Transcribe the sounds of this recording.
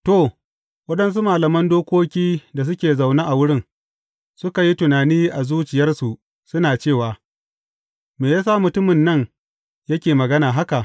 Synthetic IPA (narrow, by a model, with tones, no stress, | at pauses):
to˨ | wɐ˦ɗɐ˦ns̬u˦maː˨lɐ˨mɐ˦ndoː˦kʷoː˦kʲiː˦da˨s̬ʊ˦kʲeː˨za˨wna˦ʔa˨wʊ˦ɽɪ˦ŋ | sʊ˦ka˨ji˦tʊ˨naː˨niː˦ʔa˨zuː˦t͡ʃɪ˨jɐ˦rsu˨ | sʊ˦naː˨t͡ʃeː˦˨waː˨ | meː˨jaː˦sa˦mʊ˨tʊ˦mɪ˨nːɐ˦ŋ | jɐ˦kʲeː˨mɐ˨ɡɐ˦naː˨ɦa˦ka˨ʔ